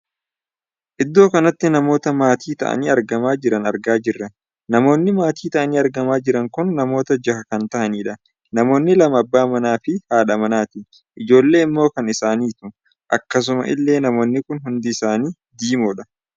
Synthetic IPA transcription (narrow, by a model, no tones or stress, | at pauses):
ʔɪd̪ːo̞ːkɐnɐt̪ːɪnɐmo̞ːt̪ɐmaːt̪iːt̪ɐ̰ʔɐ̰niːɐɾɡɐmaːd͡ʒɪɾɐnɐɾɡaːd͡ʒɪrːɐ | nɐmo̞ːnːɪmaːt̪iːt̪ɐʔɐniːɐɾɡɐmaːd͡ʒɪɾɐŋkʊnːɐmo̞ːt̪ɐd͡ʒɐhɐkɐnt̪ɐʔɐniːᶑɐ | nɐmo̞ːnːɪlɐmɐɐbːaːmɐnaːfɪhaːᶑɐmɐnaːt̪ɪ | ʔɪd͡ʒo̞ːlːe̞ːɪmːo̞ːkɐnɪsaːniːt̪ʊ | ʔɐkːɐs̬ʊmɐ̰ʔɪ̰lːe̞ːnɐmo̞ːnːɪkʊnɦʊnd̪ɪɪsaːniː | d̪iːmɔᶑɐ